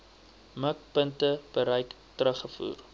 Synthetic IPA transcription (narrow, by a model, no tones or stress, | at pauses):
mək̚pəntəb̥əɾɛjk | tɾəχəfṵːr